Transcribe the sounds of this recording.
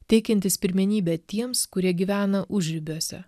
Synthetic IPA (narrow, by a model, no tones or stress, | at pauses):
t̪ʲɛɪkʲɛnʲt̪ʲɪspʲɪɾʲmʲɛnʲiːbʲɛːt̪ʲiɛmskʊɾʲiɛɡʲiʋʲæːnɐʔʊʒʲɾʲɪbʲuɔsʲɛ̰